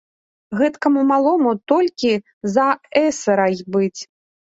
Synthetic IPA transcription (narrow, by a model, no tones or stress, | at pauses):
ɣɛt̪kɐmumalˠɔmut̪ɔlʲkʲi | zɐɛsɐɾɐjbɨt͡sʲ